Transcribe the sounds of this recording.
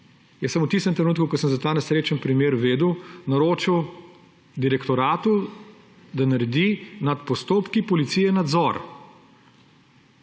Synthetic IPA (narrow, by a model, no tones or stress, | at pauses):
jɛsɐmowt̪ist̪ɛmt̪ɾɛnuːt̪kukɔsəmzat̪aːnɛsɾeːt͡ʃənpɾimjeːɾʋeːd̪uwnɐɾoːt͡ʃiw | d̪iɾɛkt̪ɔɾaːt̪u | d̪anaɾɛd̪inat̪pɔst̪oːpkipɔlit̪siːjɛnad̪zɔɾ